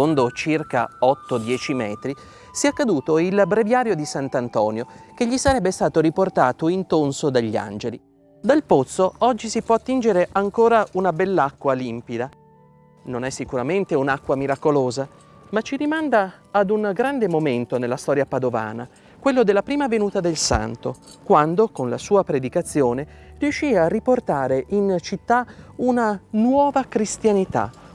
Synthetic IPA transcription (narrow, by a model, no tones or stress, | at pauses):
ond̪ot͡ʃirka̰ɔt̪ːod̪jɛːt͡ʃimɛːt̪ɾi | siɛakːad̪uːt̪oilbɾevjaːɾjod̪isant̪ant̪ɔːnjokeʎːisaɾɛbːest̪aːt̪oɾiport̪aːt̪oint̪onsod̪aʎːia̰nd͡ʒeli | d̪alpot̪sːoɔd͡ʒːisipwɔat̪ːind͡ʒeɾeʔaŋkoːɾaunabɛlːakːwalimpid̪a | nonɛsːikuɾament̪eunakːwamiɾakoloːza | mat͡ʃiɾimand̪aːd̪uŋɡɾand̪emoment̪onelːast̪ɔɾjapad̪ova̰ːna | kwelːod̪elːapɾiːmavenuːt̪ad̪elsa̰nt̪okwand̪okonla̰suːapɾed̪ikat̪sːjoːne | riuʃːiːarːiport̪aːɾeʔint͡ʃit̪ːaunanwɔːvakɾist̪janit̪a̰